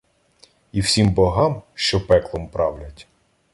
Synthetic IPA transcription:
iwsʲimbɔɦɑmʃt͡ʃɔpɛklˠɔmpɾɑwlʲɐtʲ

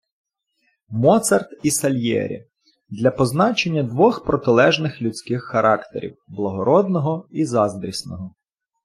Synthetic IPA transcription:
mɔt̪sɐrt̪isɐlʲjɛ̰ɾʲḭ | d̪lʲɐpɔznɑt͡ʃe̞nʲːɐd̪ʋɔxpɾɔt̪ɪlˠɛʒnɪxlʲut͡sʲkɪxːɐɾʔɑkt̪ḛɾʲḭwblˠɐɦɔɾɔd̪nɔɦɔizɑzd̪ɾʲisnɔɦɔ

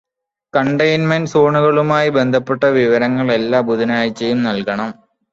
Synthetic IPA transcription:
kɐɳɖɐjnmɐnsoːɳuɣɐɭumaːjibe̞nd̪ʱɐpːeʈːɐʋiʋɐɾɐŋːɐɭe̞lːaːbud̪inaːjit͡ɕːejumnɐlkɐɳɐm

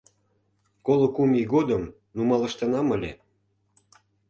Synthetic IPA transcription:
kolŏkumʲiɣod̪əm | numɑlɤ̆ʃt̪ɑnɑməlʲḛ

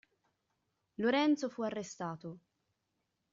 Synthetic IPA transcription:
loɾɛnt̪sofuarːest̪aːt̪o

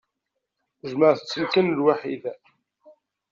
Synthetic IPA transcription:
ʒməʁθə̥t͡sːəlkənəlwaħḭð

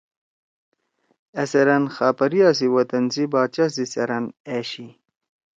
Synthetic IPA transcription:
eseɾɐnxaːpɐɾijaːs̬iwɐt̪ɐnsibaːt͡ɕas̬isɐɾɐneːɕi

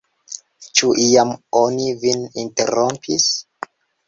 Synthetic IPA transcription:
t͡ʃuʔiamonivininteɾompʰis

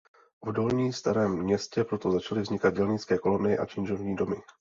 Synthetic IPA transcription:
vdo̞lɲiːst̪aɾɛːmːɲɛscɛpɾo̞t̪o̞zat͡ʃalɪvzɲɪkad̪̚ɟɛlɲɪt͡skɛːko̞lo̞nɪjɪʔa̰t͡ʃɪnʒo̞vɲiːdo̞mɪ

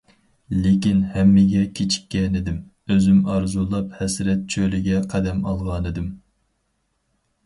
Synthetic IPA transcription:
lekʲinhɛmːɪɡʲɛkʲʰet͡ʃʰi̥kʲːɛnɪd̪ɪm | øzymɑɾzulˠɑphɛsɾɛt̪̚t͡ʃʰølɪɡʲɛqʰɛd̪ɛmɑlˠʁɑnɨd̪ɪm

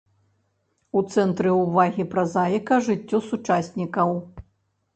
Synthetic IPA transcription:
ut̪sɛnt̪ɾɨuvaɣʲipɾɐzajkɐʐɨt͡sʲːɔsut͡ʂasʲnʲikɐw

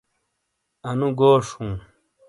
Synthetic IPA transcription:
ɐnũɡoːʂũː

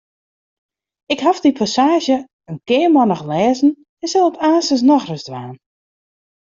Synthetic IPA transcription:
ɪkɦafdipʰasaːʒjə | ənkɪːəmɔnɔxlɛːzn̩ | ɛnsɛlˠɔtʰaːsəs̬nɔxrəzdʋaːn

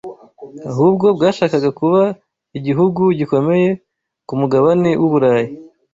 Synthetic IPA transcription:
aɦuːbɡo̞bɡaːʃaːkaɡakuβa | iɟiɦuɡuɟiko̞me̞je̞ | kumuɡaβanewʔuβuɾaːji

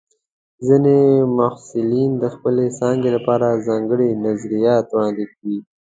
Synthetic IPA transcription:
zinemʊhsɪlind̪əxpəlesɑŋɡelapɑɾazɑŋɡəɽinazɾijɑt̪wɑnd̪ekawi

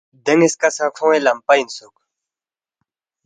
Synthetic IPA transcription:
d̪ɐŋeskasãkʰõẽlɐmpainsuk

